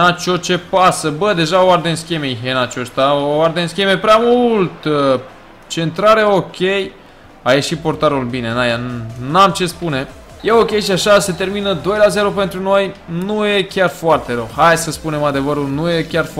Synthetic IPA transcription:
nat͡ʃot͡ʃe̞pasəbəd̪e̞ʒaoard̪enskʲemeiɦenat͡ʃost̪aoard̪enskʲeme̞pɾeamult̪ | t͡ʃe̞nt̪ɾaɾeo̞kʲe̞j | aje̞ʃipo̞rt̪aɾulbine̞najanamt͡ʃe̞spune̞ | je̞o̞kʲe̞jʃiaʃase̞t̪e̞rminəd̪o̞jlaze̞ɾo̞pe̞nt̪ɾuno̞jnuje̞kʲarfoart̪e̞ɾəwhajsəspune̞mad̪e̞vəɾulnuje̞kʲarf

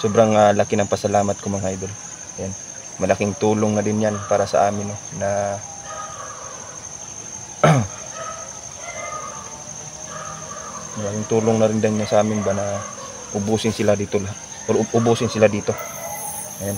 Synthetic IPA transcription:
soːbɾaŋalakɪnɐŋpɐsɐlaːmɐt̪̚komɐŋhajd̪ol | ɐjan | mɐlɐkɪŋt̪uːloŋnɐdɪnjanpaːɾɐsɐ̰ʔaːmɪnonɐ | mɐlɐkɪŋt̪uːloŋnɐɾɪnd̪ɐnjansɐʔaːmɪnbanɐ | ʔʊbuːsɪnsɪlad̪iːt̪ola | ʔoɾʔʊbuːsɪnsɪlad̪iːt̪o̞ | ɐjan

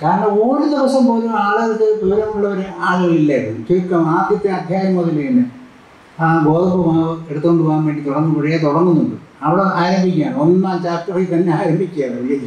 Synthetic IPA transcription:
kaːɾɐnɐuːɽid̪iʋɐsɐmpoːlumaːɭɐɐkːɨt̪uʋɾɐmuɭːɐʋɐɾeaːɭɐɣɐɭilːɐiɾunːukikːɐmaːd̪ʱjɐt̪ːeɐd̪ʱjaːjɐmːoðɐleːnɖɨ | abo̞ːðɐpːumaːeɽut̪ːukːo̞ɳɖupoːɣumʋeːɳɖit̪uɽɐnːupɐɻijet̪uɽɐrnːunːuɳɖɨ̰ɐʋiɽeaːɾɐmbikʲːuaːɳɨonːaːt͡ɕaːkːɐriit̪ɐnːeaːɾɐmbʱikʲːuaːɳɨʋijɐ

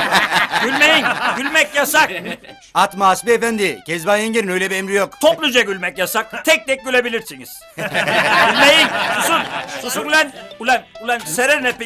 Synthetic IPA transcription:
ɡylʲmejinɟylʲmɛcjasak̚ | at̪maːsbiefænd̪icʰɛzbajaŋɟeɾinøjlʲɛbiemɾijokt̪ʰoplˠud͡ʒaɟylʲmɛcjasak̚t̪ʰɛc̚d̪ɛc̚ɟylʲebilʲiɾsinḭz̥ | ɟylʲmejinsusunsusunulʲɛnulʲɛnulʲɛnseɾɛɾnɛpe

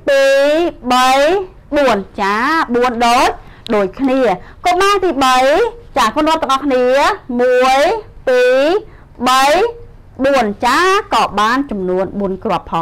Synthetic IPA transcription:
piːɓəj | ɓuənt͡ɕaːɓuənɗoːc̚ | ɗoːc̚kʰniəkoɓaːnt̪iːɓəjt͡ɕaːkʰonoət̪̚ːəŋʔɑhkʰniəmuəjpiː | ɓəj | ɓuənt͡ɕaːkɑːɓaːnt͡ɕɑmnuənɓuənkrŏəpʰːɑ

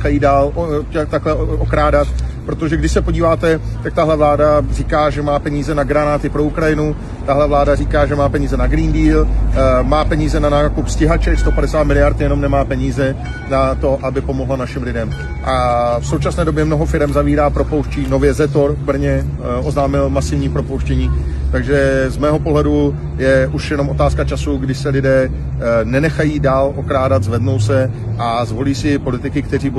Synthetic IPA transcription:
kajiːdaːlcɛt̪aklɛo̞kɾaːdat̪pɾo̞t̪oʒɛɡdɪʃsɛpoɟiːvaːt̪ɛ | t̪ak̚t̪aɦlɛvlaːdar̝iːkaːʒɛmaːpɛɲiːzɛnaɡɾanaːt̪ɪpɾo̞ukɾajɪnu | t̪aɦlɛvlaːdariːkaːʒɛmaːpɛɲiːzɛnaɡɾiːndiːlmaːpɛɲiːzɛnanaːkupscɪɦat͡ʃɛkst̪o̞padɛsaːt̪mɪlɪjaɾt̪jɛno̞mnɛmaːpɛɲiːzɛ | nat̪o̞ʔabɪpo̞mo̞ɦlanaʃɪmlɪdɛm | ʔafso̞wt͡ʃasnɛːdo̞bjɛmno̞ɦo̞fɪɾɛmzaviːɾaːpɾo̞po̞wʃciːno̞vjɛzɛt̪o̞ɾvbɾ̩ɲɛ | ʔo̞znaːmɪlmasɪvɲiːpɾo̞powʃcɛɲiː | t̪aɡʒɛzmɛːɦo̞po̞ɦlɛdu | jɛʔuʃjɛno̞mot̪aːskat͡ʃasuɡdɪʃsɛlɪdɛː | nɛnɛxajiːdaːlʔo̞kɾaːdat̪zvɛdno̞wsɛ | ʔazvo̞liːsɪpo̞lɪt̪ɪkɪkt̪ɛriːb

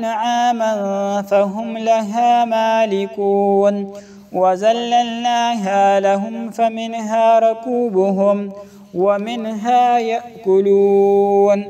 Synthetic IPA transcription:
nʕaːmanfaɦʊmlaɦaːmaːlɪkuːn | wazalːalnaːɦaːlaɦʊmfamɪnɦaːɾˤʊkuːbʊɦʊm | wamɪnɦaːjaʔkʊluːn

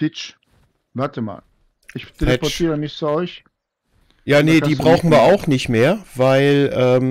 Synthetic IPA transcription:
tɪt͡ʃ | vaɐtəma̰ːl | ʔɪçtʰeləɛpɔtʰiːʁəmɪçt͡suɔɪç | jaːnediːbʁaʊxn̩viːɐʔaʊxnɪçtmeːɐvaɪlʔɛːm

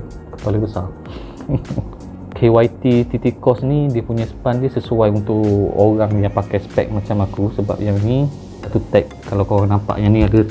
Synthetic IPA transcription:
kəpaləbəsa | kʰewajt̪it̪it̪ikɔsnidiəpuɲaspandiəsəsuajunt̪ʊʔoɾaŋjaŋpakajsə̥pɛ̰k̚mat͡ʃamakusəba̰p̚jaŋni | sat̪ut̪ɛk̚ | kːalawkoɾaŋnampa̰ʔjaniadə

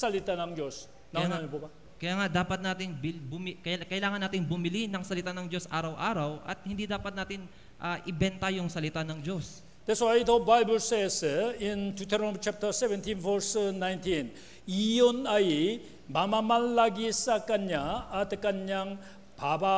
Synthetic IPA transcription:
sɐlɪt̪anɐŋd͡ʒos | nɐjaŋnaɲɐpubɐ | kɐjaːŋad̪aːpɐt̪̚naːt̪ɪŋbɪbʊmikɐkɐʔɪlaːŋɐnːaːt̪ɪŋbʊmɪlinɐŋsɐlɪt̪anɐŋd͡ʒo̞sʔaːɾɐwʔaːɾɐwʔɐ̰t̪̚hɪ̃nd̪id̪aːpɐt̪̚naːt̪ɪn | ʔɐʔɪbɛnt̪ɐjʊŋsɐlɪt̪anɐŋd͡ʒo̞s | d̪̥ɛswajt̪owbajbəlsɛsɪnt̪ut̪ɛɾomt͡ʃap̚t̪əɾsɛvɛnt̪ĩnvɛɾsnajnt̪ĩn | ijonaj | mamamɐlːaɡisɐkɐɲaːt̪kɐɲaŋ | baba

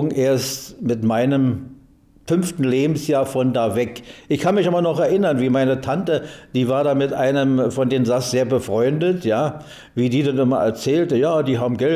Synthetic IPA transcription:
ɡŋ̩ʔeːɐstmɪtmaɪnəm | fʏnftn̩leːbm̩sjaːɐfɔndaːvɛkʔɪçkʰanmɪçaːbɐnɔχɛɐʔɪnɐnviːmaɪnətʰantəd̥iːvaːɐɾaːmɪtʔaɪnəmfɔndeːmzasz̥eːɐbəfʁ̥ɔʏndətʰjaː | viːdiːdanʔɪmɐʔɛ̰ɐt͡sɛːltəjaːdiːɦaːbm̩ɡɛl

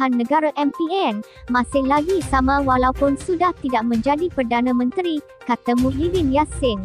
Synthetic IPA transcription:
anːə̃ɡaɾaʔɛmpiɛn | mãsɪhlaɡisamãwalawpʊnsudaht̪idaʔ̚mə̃ɲd͡ʒadipərdanãmə̃nt̪ɾi | kat̪amũlidɪnjasɪn

